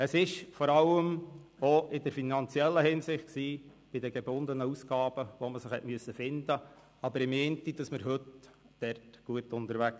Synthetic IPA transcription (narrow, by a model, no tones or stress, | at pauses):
əsɪʃfɔɾɑləmoʔɪdəɾfinɑnt͡siɛlːəhɪnsɪχtksiː | b̥ɪd̪əɡɛbʊnd̪ənəusɡ̥ɑːb̥əʋɔməsəχhɛ̰tmyəsəfɪnd̪ə | ɑbəɾɪment̪id̥ɑsməɾɦɵt | d̥ɛrtɡ̥uətʊnt̪əɾʋæk